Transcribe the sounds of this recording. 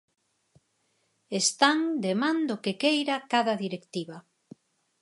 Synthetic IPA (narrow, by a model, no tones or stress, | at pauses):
est̪aŋd̪emãnd̪ʊkekejɾakaðɐðiɾekt̪iβa